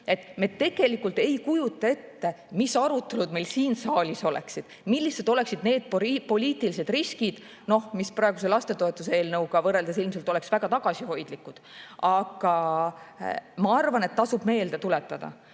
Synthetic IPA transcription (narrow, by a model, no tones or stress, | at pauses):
e̞t̪me̞t̪ːe̞ɡ̥e̞likːˑult̪ˑe̞jkujut̪ˑːɑe̞t̪ːe̞ | misɑɾut̪ːˑe̞lud̪me̞jlsiːnsɑːlʲiso̞lḛksid̪̥milʲːised̪o̞le̞ksid̪̥ne̞ːd̪̥̚ppo̞lʲiːt̪ilise̞d̪̥riskid̪̥ | no̞hmisprɑˑeɡus̬e̞lɑst̪e̞t̪o̞et̪ːˑuseeːlnɤwɡɑvɤre̞ld̪esilmselt̪o̞leksvæɡ̥ɑt̪ɑɡ̥ɑsiho̞jd̪̥likːˑud̪̥ɑɡ̥ɑ | mɑɑrvɑne̞t̪ːɑsub̥me̞ːld̪̥et̪ulet̪ːˑɑd̪̥ɑ̰